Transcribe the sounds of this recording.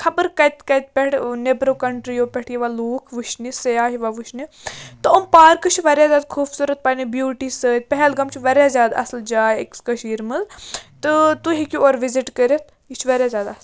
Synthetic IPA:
kʰɐbəɾkɐjt̪kɐjt̪̚pʲɛʈʰnebɾokɐɳʈɾijoːpʲɛʈʰjiʋaluːkʰʋuʃnisɐjaːɦiʋaʋuʃnit̪ɨəmpaːɾkɨt͡ʃʰʋɐɾjaːzʲjaːd̪kʰuːbsuɾɐt̪̚pɐnibjuːʈisəːt̪̚pɐɦɛlɡɐmt͡ʃʰiʋɐɾʲjazʲjaːd̪ɐ̰sld͡ʒaːjekskɐʃiːɾmɨlt̪ɨt̪uɦikʲioːɾʋiziʈkəɾɐt̪̚ʰ | it͡ʃʰʋɐɾjaːzʲjaːd̪ɐsl

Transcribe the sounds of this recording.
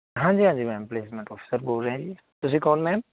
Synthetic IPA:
ɦãːd͡ʒiːɦãːd͡ʒiːmɛ̃mpleːsmẽɳʈɔːfʰi̥səɾboːlɾɛɦẽd͡ʒiː | t̪ʊsikɔːnmɛ̃m

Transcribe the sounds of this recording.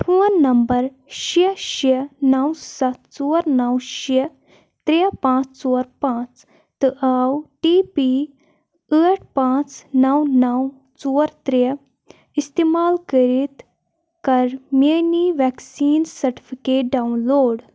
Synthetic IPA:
ʈʰoːnːɐmbəɾ | ʃiʃiənɐwsɐt̪t͡soːɾnɐwʃi | t̪ɾepãːt͡st͡soːɾpãːt͡s | t̪ɨʔaːwʈiːpi | əːʈ̚ʰpãːt͡snɐwnɐw | t͡soːɾt̪ɾe | ist̪eːmaːlkəɾit̪ | kɐɾmeniʋɛksiːnsɐɾʈi̥fikeːʈ̚ɖawnloːɽ

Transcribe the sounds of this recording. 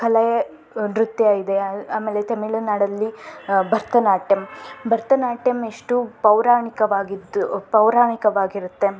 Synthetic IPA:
kʰɐlɐjɐ | d̪ɾut̪jɐid̪eaːmeːlet̪ɐmiɭunaːɽɐlːibʱɐɾt̪ʰɐnaːʈjɐmbʱɐɾt̪ɐnaːʈjɐmeʂʈupɐwɾaːɳikɐʋaːɡid̪upɐwɾaːɳikɐʋaːɡiɾut̪ːe̞

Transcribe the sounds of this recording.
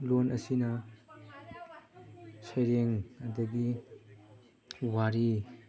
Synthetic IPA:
lonɐsinɐ | sejɾeŋadɐɡi | waɾi

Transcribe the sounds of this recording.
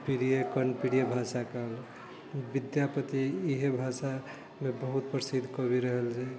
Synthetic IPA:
piɾijekənpiɽijebʱasakəl | bid̪japət̪iiɦebʱasa | mebəɦut̪̚pɾəsid̪ʱkəbiɾəɦəlt͡ʃʰɛ

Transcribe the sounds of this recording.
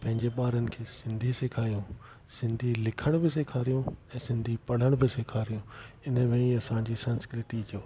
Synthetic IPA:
pɐ̃ɦɪ̃ɲd͡ʑeɓaːɾənɪ̆kʰeːsɪ̃nd̪ʱisekʰaːjũː | sɪ̃nd̪ʱilɪkʰəɽ̃bɪseːkʰaːɾijũɛ̃ːsɪ̃nd̪ʱipɐɽ̤əɽ̃bɪsekʰaːɾijũːɪnə̆mẽɐsãd͡ʑiːsɐnskɾɪʈid͡ʑoː

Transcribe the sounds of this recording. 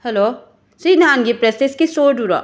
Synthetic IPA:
hɛloː | sinaːnɡipɾeseskisoːɾɖuɾa̰

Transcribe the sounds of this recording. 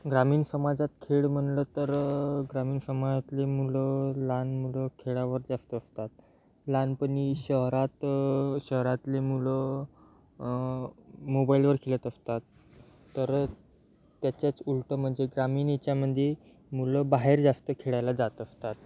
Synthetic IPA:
ɡɾamiːnsəmad͡zat̪kʰeɭm̤əɳlət̪əɾɡɾamiːnsəmad͡zat̪lemuləlanmuləkʰeɭaʋəɾd͡zast̪əːst̪at̪̚ | lanpəɳiɕəɦɾat̪ɕəɦɾat̪lemulə | mobailʋəɾkʰelət̪əst̪at̪ː | əɾ | t̪ːjat͡ɕjat͡sulʈəm̤əɳd͡zeɡɾamiːnit͡ɕjaməd̪ʱje | muləbaɦeɾd͡zast̪əkʰeɭajlad͡zat̪əst̪at̪̚

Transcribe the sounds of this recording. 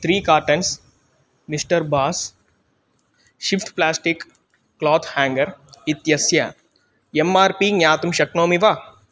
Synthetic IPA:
t̪ʰɾiːkaːɾʈɐns | misʈɐɾbaːs | ʃifʈplaːsʈikː | lɔːt̪ʰhaːŋɡɐɾit̪jɐsjɐ | emaːɾpinjaːt̪umʃɐknoːmiʋa

